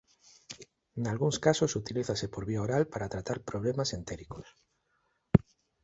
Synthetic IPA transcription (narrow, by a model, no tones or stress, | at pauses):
ŋalɣuŋskasosut̪iliθasepoɾβiaoɾalpaɾat̪ɾat̪aɾpɾoβlemasent̪eɾikos